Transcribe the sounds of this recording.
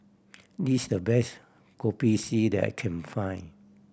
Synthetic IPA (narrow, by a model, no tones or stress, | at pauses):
disdəbɛs | kɔpisidɛ̰kʰɛ̃nfãj̃n